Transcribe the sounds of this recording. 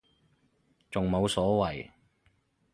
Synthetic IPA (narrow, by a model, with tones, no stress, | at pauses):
t͡sʊ˨˩ŋmo˨˧wsɔː˨˥wɐ˨˩j